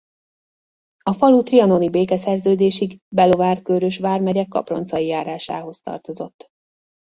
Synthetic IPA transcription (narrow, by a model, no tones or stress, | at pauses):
ɒfɒlut̪riɒno̞nibeːkɛsɛrzøːd̪eːʃiɡbɛlo̞vaːrkøɾøʃʋaːrmɛɟɛkːɒ̰pro̞̰nt̪sɒjijaːɾaːʃa̰ːɦo̞st̪ɒ̰rt̪o̞zo̞̰t̪ː